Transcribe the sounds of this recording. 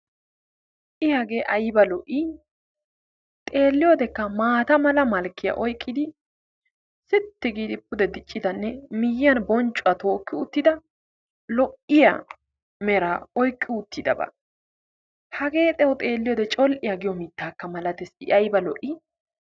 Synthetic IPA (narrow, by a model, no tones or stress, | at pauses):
ʔɪjaɡe̞ːʔɐjbɐlɔʔɪ | t̪ʼe̞ːlːɪjoːd̪ɛkːɐmaːt̪ɐmɐlɐmɐlkːɪjɐ̰ʔɔjkʼːɪd̪ɪ | sɪt̪ːɪɡiːd̪ɪpːʊd̪ɛd̪ɪt͡ʃʼːɪd̪ɐnːɛmɪjɪɐnbɔnt͡ʃʼːʊɐt̪o̞ːkːɪʊt̪ːɪd̪ɐ | lɔʔɪjɐ | mɛɾaːɔjkʼːɪʊt̪ːɪd̪ɐ̰bɐ̰ | hɐɡe̞ːt̪ʼɛwt̪ʼe̞ːlːɪjoːd̪ɛt͡ʃʼɔlʔɪjaɡɪjɔmɪt̪ːaːkːɐmɐlɐt̪ɛsɪɐjbɐlɔʔɪ